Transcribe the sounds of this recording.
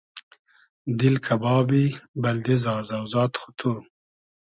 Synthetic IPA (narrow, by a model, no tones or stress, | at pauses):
d̪ɪlkʰabɑːbibald̪ezɑːzawzɑːt̪xʊ̥t̪ʰu